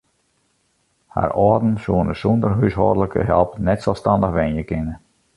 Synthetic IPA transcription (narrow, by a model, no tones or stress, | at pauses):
ha̰rɔːdn̩suənəsɔndərɦysɦɔ̰ːdələkʰə̰ɦɛ̰lˠpnɛtsɔlˠstɑndəxʋɛnjəkɪnə